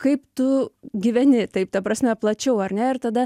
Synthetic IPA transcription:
kɐɪpt̪ʊɡʲɪʋʲɛnʲɪt̪ɐɪp̚t̪ɐpɾɐsʲmʲɛplˠɐt͡ʃʲɛʊɐɾʲnʲɛɪɾt̪ɐd̪ɐ

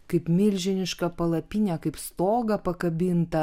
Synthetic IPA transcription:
kɐɪpmʲɪlʲʒʲɪnʲɪʃkɐpɐlˠɐpʲinʲɛkɐɪpst̪oːɡɐpɐkɐbʲɪnt̪ɐ

